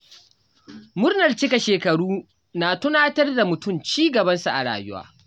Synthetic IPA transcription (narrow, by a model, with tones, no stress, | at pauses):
mʊ˦rnɐ˨rt͡ʃɪ˦ka˨ʃeː˨kɐ˨ɽuː˦ | naː˨tʊ˦naː˦tɐ˦rda˨mʊ˨tʊ˦˨mt͡ʃiː˦ɡɐ˨bɐ˦nsa˨ʔa̰˨ɽa̰ː˨jʊ˦wa̰ː˦